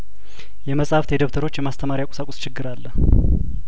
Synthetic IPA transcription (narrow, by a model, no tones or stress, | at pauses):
jɛməsʼhaft̪ʰed̪əβt̪ʰəɾo̞t͡ʃːjɛmast̪ʰəmaɾjakʼsakʼʊst͡ʃʰɪɡːɨɾalːəh